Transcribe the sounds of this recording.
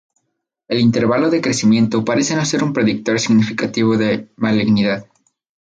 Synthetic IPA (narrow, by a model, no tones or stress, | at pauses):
e̞lint̪e̞ɾβalo̞ðekɾe̞simje̞nt̪o̞paɾe̞se̞no̞se̞ɾumpɾe̞ðik̚t̪o̞ɾsiɣnifikat̪iβ̞o̞ðemaliɣniðað